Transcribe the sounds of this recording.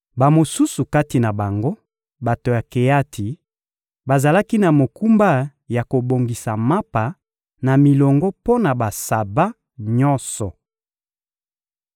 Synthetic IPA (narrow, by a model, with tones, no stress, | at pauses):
ba˨mo˨su˦su˨ka˦ti˨na˨ba˨ŋɡo˦ | ba˨to˨ja˨ke˨ja˦tʰi˨ | ba˨za˨la˦ki˦na˨mo˨ku˦mba˦ja˨ko˨bo˨ŋɡi˨sa˨ma˦pa˨ | na˨mi˨lɔ˨ŋɡɔ˦po˦na˨ba˨sa˨ba˦ | ɲɔ˦sɔ˨